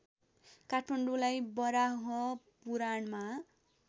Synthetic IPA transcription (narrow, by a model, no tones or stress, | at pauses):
kaʈʰmaɳɖulajbʌɾaɦʌ | puɾaɳma